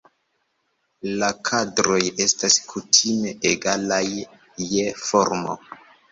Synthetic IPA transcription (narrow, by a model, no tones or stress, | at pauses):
lakʰadɾo̞je̞staskʰutʰime̞ʔeɡalajː | efo̞ɾmo̰